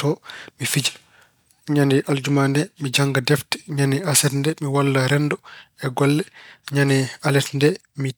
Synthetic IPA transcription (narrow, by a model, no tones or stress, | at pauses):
tɔmifid͡ʒḁ | ɲandiʔald͡ʒumandɛmid͡ʒaŋɡadɛftɛ̥ɲaniasɛtndɛmiwalːaɾɛndɔɛɡɔlːɛɲanialɛtndɛ | mi